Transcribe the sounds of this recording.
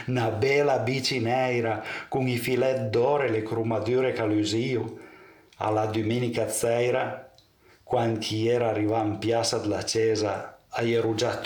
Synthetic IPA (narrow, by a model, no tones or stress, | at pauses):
nabɛlabit͡ʃinɛjɾakuŋifilɛt̪̚d̪ɔɾelekɾumad̪yɾekalyziu | a̰lad̪uminikat͡sɛjɾa | kwankʰiɛɾaarivampjasad̪lat͡ʃɛzaajeɾud͡ʒat̪ː